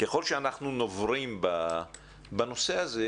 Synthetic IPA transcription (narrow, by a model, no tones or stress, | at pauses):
keχo̞lʃeanaχnuno̞vʁimba | bano̞se̞aze